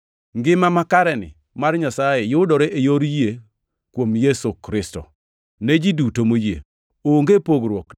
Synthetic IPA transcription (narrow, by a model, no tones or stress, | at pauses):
ŋɡɪmamakaɾɛnɪ̰ | marɲasajejʊdɔɾeʔejoɾje | kwomjesukɾɪstɔ̰ | nɛd͡ʒidutomojḛ | oŋɡepoɡɾwɔk